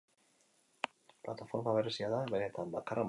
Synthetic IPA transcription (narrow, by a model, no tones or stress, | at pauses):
plat̪afo̞ɾmaβe̞ɾe̞siaðaβe̞ne̞t̪ambakaram